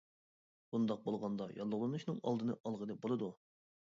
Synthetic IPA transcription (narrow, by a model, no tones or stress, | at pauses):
b̥und̪ɑq̚bolˠʁɑnd̪ɑjʔɑlˠːʊʁlˠɨnuʃnɨŋɑ̰lˠd̪ɨnɨʔɑlˠʁənɨbolˠɨd̪u